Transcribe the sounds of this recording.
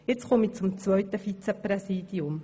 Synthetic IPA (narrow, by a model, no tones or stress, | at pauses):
jɪt͡sχʊmit͡sʊmt͡sʋœʏt̪əfit͡sɛpɾɛsiːd̥̪iʊm